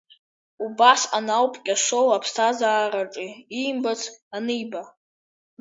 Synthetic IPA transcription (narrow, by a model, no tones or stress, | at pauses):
ubasanawpʼkʲʼaʂowapʰstʰazaːɾaʈ͡ʂʼiimbat͡sʰanɨjba